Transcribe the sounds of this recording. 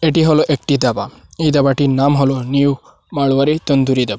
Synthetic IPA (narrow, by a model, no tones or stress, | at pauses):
eʈiɦɔlɔʔek̚ʈid̪abaejd̪abaʈinamɦɔlɔniw | maɭʋaɾit̪ɔnd̪uɾid̪ɛba